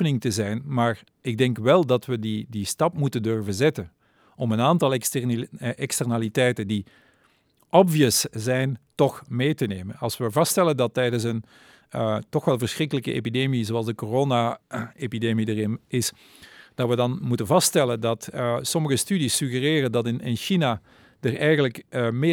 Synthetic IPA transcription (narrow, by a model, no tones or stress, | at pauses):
ənɪŋtəzɛjnmaːr | ɪɡ̚dɛŋkʋɛlˠdɑtʋədidistɑpmutəndɵrvənzɛtən | ɔmənaːntɑlˠ | ʔɛkstərnalitɛjtəndi | ʔɔbviəszɛjntɔxmeːtəneːmənɑlˠsʋəvɑstɛləndɑtːɛjdəns̬ən | tɔxʋɛlˠvərsxrɪkələkəʔḛːpideːmizoɑlˠzdəkoroːnaepideːmidərɪnɪs | d̥ɑtʋədɑnmutənvɑstɛləndɑtsɔməɣəstydisyɣəreːrəndɑtɪnɪnʃina | dərɛjɣənləkme